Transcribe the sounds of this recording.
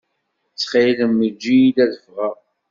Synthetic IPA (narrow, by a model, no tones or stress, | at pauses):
t͡sːχiləmːəd͡ʒːijid̪æðəfʁəʁ